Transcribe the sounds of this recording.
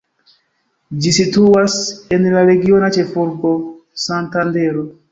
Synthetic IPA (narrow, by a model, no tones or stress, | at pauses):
d͡ʒisituasenlaɾeɡionat͡ʃefuɾbo | santandeɾo